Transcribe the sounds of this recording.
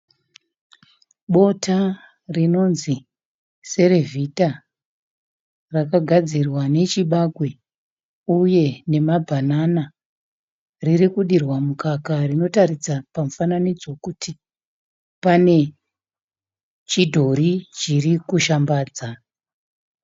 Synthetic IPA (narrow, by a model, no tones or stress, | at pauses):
ɓo̞tʰa | rino̞nzi | se̞ɾe̞vʱita | rakaɡʱad͡zirwane̞t͡ʃiɓaɡwe̞ | uje̞ne̞mabʱanana | ririkuɗirwamukakarino̞tarid͡zapamufananid͡zo̞kuti | pane̞ | t͡ʃidʱo̞ɾit͡ʃirikuʃambaːd͡za